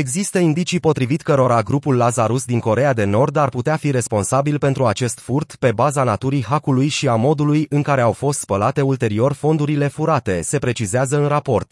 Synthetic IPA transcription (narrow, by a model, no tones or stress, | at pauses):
e̞ɡzist̪əind̪it͡ʃipo̞t̪ɾivit̪kəɾo̞ɾaɡɾupulːazaɾusd̪iŋko̞ɾe̞jad̪e̞no̞rd̪arput̪eafiɾe̞spo̞nsabilpe̞nt̪ɾuat͡ʃe̞st̪furt̪pe̞bazanat̪uɾijɦakulujʃiamo̞d̪ulujɨŋkaɾe̞awfo̞st̪spəlat̪e̞ult̪e̞ɾio̞rfo̞nd̪uɾile̞fuɾat̪e̞se̞pɾe̞t͡ʃizeazəɨnrapo̞rt̪